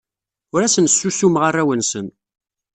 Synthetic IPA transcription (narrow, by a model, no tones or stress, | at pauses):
ʊɾæsənsːusumʁarˤːæwənsən